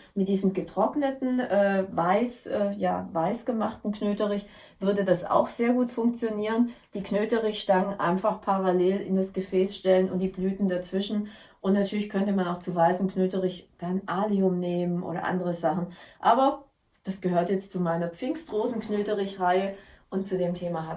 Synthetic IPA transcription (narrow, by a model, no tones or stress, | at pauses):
mɪt̚d̥iːzəm̩ɡətʁ̥ɔknətn̩ʔɛːvaɪsʔɛːja̰ːvaɪsɡ̥əmaχtn̩knøːtəʁɪç | v̥ʏɐdədasa̰ʊxz̥eːɐɡuːtfʊŋk̚t͡sjoniːʁ̞ənd̥iːkʰnøːtəʁɪçʃtaŋənʔa̰ɪnfaχpʰaʁaleːlɪ̰ndasɡ̥əfɛːsʃtɛlənʊntd̥iːblyːtn̩dat͡sv̥ɪʃn̩ | ʔʊntnatʰyːɐlɪçkʰœntəmanaʊxt͡suvaɪsn̩kʰnøːtəʁɪçd̥anʔaːliʊmneːmənʔo̰ːɾɐ̰ʔa̰ndəʁ̞əzaχn̩ʔaːbɐ | d̥asɡ̥əɦøːɐtjɛt͡stt͡sumaɪnɐp͡fɪŋstʁoːzn̩knøːtəʁɪçʁaɪəʔʊntt͡sudeːmtʰeːmaːɦa